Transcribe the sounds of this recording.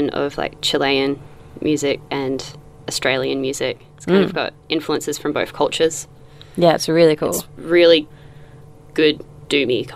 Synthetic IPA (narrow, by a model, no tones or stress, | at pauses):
nʌ̰v̥la̰ɪk̚t͡ʃʰɨlˠeɪɨ̃n | mjʉzɪk̚ʔɨ̃n | ɨstɹ̥eɪlˠiɨ̃nmjʉzɪk̚ɪtskãɪ̃nɨvɡɑ̰ɾʔɪ̃ɱfluə̃nsɨz̥fɹʌ̃mboʊθkʰʌlˠt͡ʃə˞z̥ | jæɪtsɹɪlˠikʰṵlˠsɹɪlˠi | ɡ̥ʊdd̥ʉmikʰ